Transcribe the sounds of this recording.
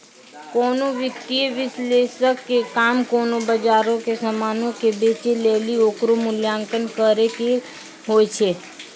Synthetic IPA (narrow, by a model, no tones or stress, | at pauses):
koːnoʋəkt̪iʋɪslesəkːekaːmkoːnobəd͡ʒaːɾõkesəmaːnõkebeːt͡ʃelelioːkɾomʊljaːŋkənkəɾeke | ɦoːjt͡ʃʰe